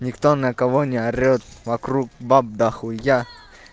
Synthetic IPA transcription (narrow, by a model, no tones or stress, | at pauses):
nʲɪkt̪onɐkɐvonʲɪaɾʲot̪vɐkɾuk̚bab̚d̪axʊja